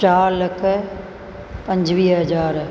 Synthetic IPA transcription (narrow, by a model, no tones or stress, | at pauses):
t͡ʃaːɾlɐkʰ | pɐ̃ɲd͡ʒʋiːɦɐzaːɾ